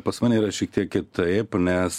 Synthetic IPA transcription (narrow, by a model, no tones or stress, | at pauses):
pɐsmɑːnʲeiːɾɐʃʲiɛk̚t̪ʲiɛkkʲɪt̪ɐpnʲɛs